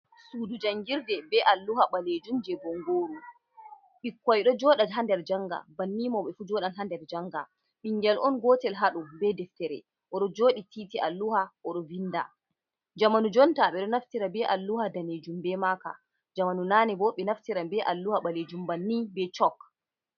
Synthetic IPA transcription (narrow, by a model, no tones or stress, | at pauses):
suːdud͡ʒaŋɡiɾdɛbɛʔalːuhaɓaled͡ʒumd͡ʒɛbɔŋɡoːɾu | ɓikːɔjɗɔd͡ʒɔːɗadɦandɛɾd͡ʒaŋɡa̰banːiːmɔɓɛfuːd͡ʒɔːɗanɦandɛɾd͡ʒaŋɡa | ɓiŋɡɛlʔɔnɡɔːtɛlɦaɗɔbɛdɛftɛɾɛ̰ | ʔɔɗɔd͡ʒoːɗitiːtiʔalːuhaʔɔɗɔvinda̰ | d͡ʒamanud͡ʒɔntaɓɛɗɔnaftiɾabɛʔalːuhadaned͡ʒumbɛmaka̰ | d͡ʒamanunaːnɛbɔɓɛnaftiɾabɛʔalːuhaɓaled͡ʒumbanːibɛt͡ʃɔk